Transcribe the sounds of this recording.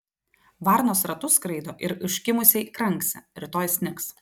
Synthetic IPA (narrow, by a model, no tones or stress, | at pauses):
ʋɑˑɾnoːsɾɐt̪ʊskɾɐɪd̪oːʔɪɾɪʃʲkʲɪmʊsʲɛkɾɐŋˑksʲɛ̰ɾʲɪt̪oːjsʲnʲɪks